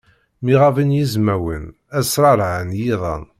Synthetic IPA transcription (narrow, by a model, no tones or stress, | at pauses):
miʁavinjizmæwə̰n | æsɾˤɑɾˤʕənjiðˤɑ̰n